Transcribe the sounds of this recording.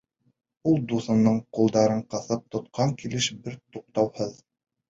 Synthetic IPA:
ulˠd̪uθɤ̆nɤɴqulˠd̪ɑɾɤɴqɤ̆θɤp̚t̪ŏt̪̚qʰɑŋkilɘʃbɘɾt̪uq̚t̪ɑwhɤð

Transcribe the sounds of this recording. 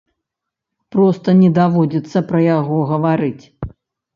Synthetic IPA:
pɾɔst̪ɐnʲɛd̪avɔd͡zʲit̪sːɐpɾɐjaɣɔɣɐvaɾɨt͡sʲ

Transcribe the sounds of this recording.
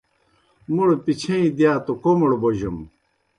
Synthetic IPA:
muɽpit͡ɕʰeĩd̪ijaːt̪okomuɽboʑɐm

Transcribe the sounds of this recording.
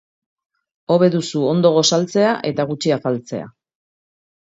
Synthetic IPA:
o̞βe̞ðusuo̞nd̪o̞ɣ̞o̞salt͡se̞aʔe̞t̪aɣ̞ut͡ʃiafalt͡se̞̰a̰

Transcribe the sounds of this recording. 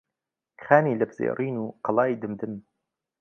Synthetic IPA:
χaːniːlɐbzḛːriːnuːqɑlˠɑːiːd̪ɨmd̪ɨm

